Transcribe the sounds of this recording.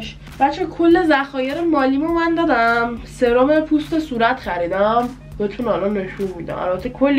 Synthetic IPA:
ʃ | bæt͡ʃʰːekʰo̞lːezæxɒːjeɾemɒːlimomænd̪ɒːd̪æmseɾomepʰust̪esuːɾæt̪χæɾiːd̪æm | beet̪ʰunælɒnːe̞ʃunmiːd̪æ̰mʔæ̰lbæt̪ʰːekʰolː

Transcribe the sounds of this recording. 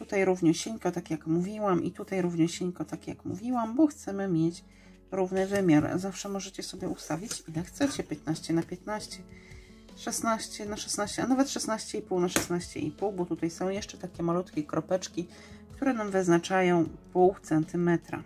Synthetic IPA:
t̪ut̪ajɾuvɲɔɕeɲkɔt̪akʲjakmuvʲiwamʔḭt̪ut̪ajɾuvɲɛɕeɲkɔt̪akjakmṵvʲiwambɔxt̪sɛmɘmʲjet͡ɕ | ɾuvnɘvɘmʲjaɾzafʂɛmɔʐɛt͡ɕɛsɔbʲjɛust̪avʲit͡ɕilɛxt̪sɛt͡ɕɛpʲjɛt̪̚naɕt͡ɕɛnapʲjɛt̪naɕt͡ɕɛ | ʂɛsnaɕt͡ɕɛnaʂɛsnaɕt͡ɕɛanavɛt̪ʂɛsnaɕt͡ɕɛipuwnaʂɛsnaɕt͡ɕɛ̰ḭpuwbɔt̪ut̪ajsɔ̃w̃jɛʂt͡ʂɛt̪akʲɛmalut̪kʲɛkɾɔpɛt͡ʂkʲi | kt̪uɾɛnamvɘznat͡ʂajɔ̃w̃puwt̪sɛnt̪ɘmɛt̪ɾa̰

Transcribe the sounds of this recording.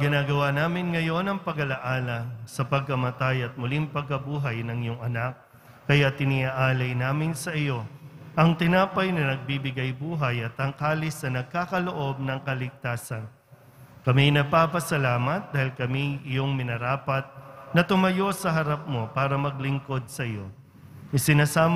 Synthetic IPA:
ɡɪnaːɡɐwanaːmɪnŋɐjo̞nɐŋpɐɡɐlɐʔaːlɐsɐpɐɡ̚kɐmɐt̪ajɐt̪̚mʊliŋpɐɡ̚kɐbuːɦɐjnɐŋjoŋɐnak̚ː | ɐjat̪ɪnɪʔaʔaːlɐjnaːmɪnsɐʔɪjo̞ʔɐŋt̪ɪnaːpɐjnɐnɐɡ̚bibɪɡajbuːɦɐjɐt̪ɐŋkaːlɪsɐnɐɡ̚kaːkɐloʔo̞b̚nɐŋkɐlɪɡ̚t̪aːsɐn | kɐminɐɡ̚paːpɐsɐlaːmɐt̪̚d̪aːhɪlkɐmiɪjo̞ŋmɪnɐɾaːpɐt̪̚nɐt̪ʊmɐjo̞sɐɦɐɾap̚mo̞paːɾɐmɐɡ̚lɪŋko̞d̪̚sɐɪjo̞ | ɪsɪnaːsaːm

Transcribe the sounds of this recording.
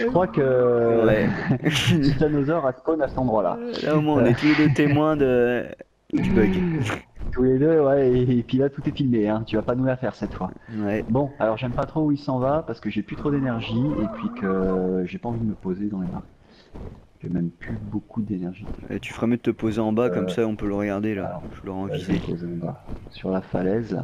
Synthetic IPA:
ʒəkχwakəwɛ | et̪anozɔʁasponasɛ̥t̪ɑ̃d̪ʁwala̰laomwɛ̃ɔ̃nɛuled̪øt̪emwɛ̃d̪ə | d̪ybœɡ | t̪uled̪øwɛeːpɥilat̪ut̪ɛfilmeɛ̃t̪yvapanulafɛʁsɛt̪fwawɛbɔ̃alɔʁʒɛmpat̪χouilsɑ̃vapaʁsə̥kəʒeplyt̪χod̪enɛʁʒiepɥikʰəʒepaɑ̃vid̪əməpozed̪ɑ̃lema̰ʁk | t̪yamɛmplybokud̪enɛʁʒiɛ̰t̪y̥fəʁɛmjəd̪ət̪əpozeɑ̃bakɔmsaɔ̃pøləʁəɡaʁd̪elalɔʁvulɔʁɑ̃vizepo̰zeɑ̃ba̰syʁlafalɛzla̰

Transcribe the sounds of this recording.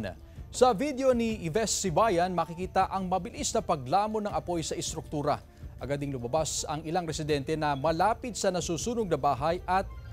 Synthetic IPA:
sɐvid̪eo̞niʔɪvɛsːɪbajɐnmɐkɪkiːt̪ɐʔɐŋmɐbɪlisnɐpɐɡ̚laːmo̞nɐŋɐpo̞jsɐʔɪst̪ɾʊk̚t̪uːɾɐ̰ | ʔɐɡad̪ɪiŋlʊmɐbasɐŋɪlaŋɾɛsɪd̪ɛnt̪ɛnɐmɐlaːpɪt̪̚sɐnɐsuːsuːnoɡ̚nɐbaːɦɐjʔɐt̪̚

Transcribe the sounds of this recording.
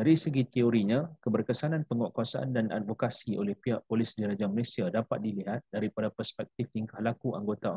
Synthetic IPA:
daɾisəɡit̪ioɾiɲãkəbərkəsanãnpəŋwaʔkuasaʔa̰ndana̰t̪̚vokasiʔo̰lɛhpiaʔpolɪsdiɾad͡ʒaməlesiadapat̪̚diliɦat̪̚daɾipadapərspɛk̚t̪ɪft̪iŋkahlakuʔa̰ŋɡot̪a

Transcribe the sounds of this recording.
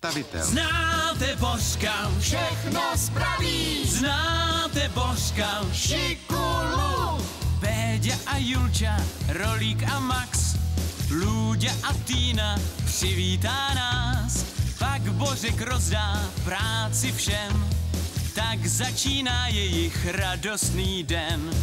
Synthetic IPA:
t̪avɪt̪ɛ̰lznaːt̪ɛboskafʃɛxnospɾaviːznaːt̪ɛborkaʃɪkulubɛːɟaʔajult͡ʃaɾoliːkʔamaks | luːɟaʔat̪iːnapr̥ɪviːt̪aːnaːspaɡbo̞rɛkɾo̞zdaːpɾaːt͡sɪfʃɛm | t̪aɡzat͡ʃiːnaːjɛjɪxɾado̞st̪niːdɛn

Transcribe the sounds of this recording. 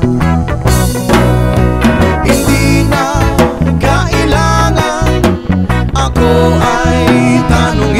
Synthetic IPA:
ind̪ina | kaʔilaŋa | ʔakoajt̪anʊŋ

